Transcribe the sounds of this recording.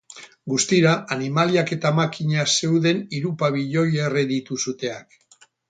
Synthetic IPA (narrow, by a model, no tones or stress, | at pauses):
ɡust̪iɾaanimaliake̞t̪amakiɲase̞wðe̞niɾupaβiʎo̞je̞reðit̪usut̪e̞ak